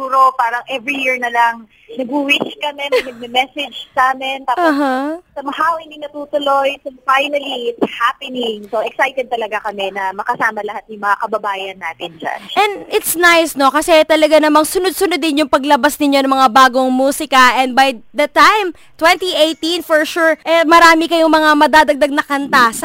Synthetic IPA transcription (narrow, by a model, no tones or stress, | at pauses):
uːɾopaːɾɐŋʔɛvɹijiɹnɐlɐŋ | nɐɡuwiʃkɐmɛnɐnɐɡ̚mɛmɛsɛd͡ʒsɐaːmɛnt̪apaɦasɐmɐhaːwɪnɪŋnɐt̪uːt̪ʊlojsofajnɐliɪt̪shapɪnɪŋsoʔɛksajt̪ɛd̪̚t̪ɐlɐɡakɐmɛnɐmɐkɐsaːmɐlɐhat̪̚jʊŋmɐŋakɐbɐbaːjɐnːaːt̪ɪnd͡ʒa̰nʔɛnd̪ɪt̪snajsno̞kɐsɛt̪ɐlɐɡanɐmaŋsʊnʊd̪̚sʊnʊd̪ɪnjʊŋpɐɡlɐbasnɪɲo̞nɐŋmɐŋabaːɡoŋmuːsɪkɐʔɛ̃nd̪̚bajd̪ɐt̪ajm | t̪wɛ̃nt̪iejt̪ĩnfɔɹʃuɹʔɛmɐɾaːmɪkɐjoŋmɐŋamɐd̪aːd̪ɐɡ̚d̪ɐɡ̚nɐkɐnt̪as